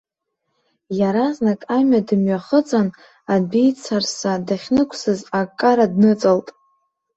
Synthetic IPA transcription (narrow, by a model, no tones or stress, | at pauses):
jaɾaznakʼamɥadɨmɥaχət͡sʼan | abejt͡sʰarsadaχʲnɨkʷʰsɨzakʼːaɾadnɨt͡sʼaltʼ